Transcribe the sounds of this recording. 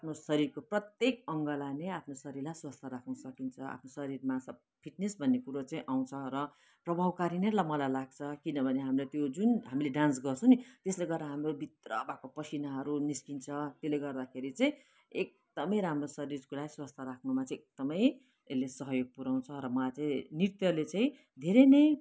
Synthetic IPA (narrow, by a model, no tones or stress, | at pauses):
apʰnosʌɾirkoprʌt̪jekʌŋɡʌlaneapʰnosʌɾirlajswast̪ʰaɾakʰnusʌkint͡sʰʌa̰pʰnosʌɾirmasʌ | pʰiʈnesbʱʌnːekuɾot͡saĩʔaw̃t͡sʰʌɾʌ | prʌbʱawkaɾinerlajmʌlajlaɡt͡sʰʌkinʌbʱʌneɦamilat̪jod͡zunɦamileɖãns̬ɡʌrt͡sʰʌ̃nit̪esleɡʌraɦamrobʱit̪rʌ̰bʱakopʌsʰinaɦʌɾuniskint͡sʰʌt̪joleɡʌrd̪akʰeɾit͡saĩ | ek̚d̪̥ʌmʌjɾamrosʌɾirkulajswast̪ʰʌɾakʰnumat͡saĩek̚d̪̥ʌmʌj | elːesʌɦʌjoɡ̚puɾaw̃nt͡sʰʌɾʌmʌlajt͡saĩnirt̪jʌlet͡saĩ | d̪ʱeɾʌjnʌj